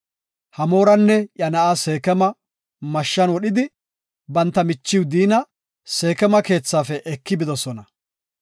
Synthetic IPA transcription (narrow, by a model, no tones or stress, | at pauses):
hɐmo̞ːɾɐnːɛjɐnɐʔaːse̞ːkɛmɐ | mɐʃːɐnwɔɗɪd̪ɪ | bɐnt̪ːɐmɪt͡ʃːɪwd̪iːnɐ | se̞ːkɛmɐke̞ːt͡sːaːfɛʔɛkːɪbɪd̪ɔsɔnɐ